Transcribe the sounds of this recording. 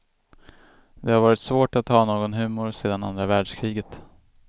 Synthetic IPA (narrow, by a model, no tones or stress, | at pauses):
d̪ɛhaɾvɑːɾɪt̪svoːʈat̪hɑːnoːɡɔnɦʉ̟ːmʊɾseːd̪ana̰nd̪ɾavæːɖʂkʰɾiːɡət̪